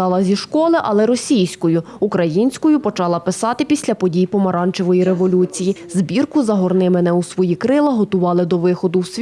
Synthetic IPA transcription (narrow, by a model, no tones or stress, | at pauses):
ɑlˠɐzʲiʃkɔlˠɪʔɐlˠɛɾɔsʲijsʲkɔjʊ | ukɾɐjinʲsʲkɔjʊpɔt͡ʃɑlˠɐpɪsɑt̪ɪpʲisʲlʲɐpɔdʲijpɔmɐɾɑnt͡ʃeʋɔjiɾe̞ʋɔlʲut͡sʲijizbʲirkʊzɐɦɔrnɪmɪnɛusʋɔjikɾɪlˠɐɦɔt̪ʊʋɑlˠɪd̪ɔʋɪxɔd̪ʊwsʲ